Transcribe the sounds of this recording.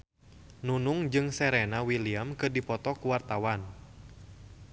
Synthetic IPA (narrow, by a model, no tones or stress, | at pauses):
nunʊŋd͡ʒɨŋsɛɾɛnawiliamkɨrdipɔt̪ɔkuwart̪awan